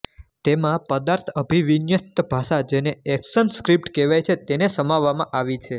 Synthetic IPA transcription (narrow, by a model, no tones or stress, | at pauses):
t̪emãpəd̪aɾt̪ʰəbʱiʋinjəst̪əbʱaʃad͡ʒeneɛksənskɾip̚ʈkeʋajt͡ʃʰet̪enesəmaʋːamãʔaʋit͡ʃʰe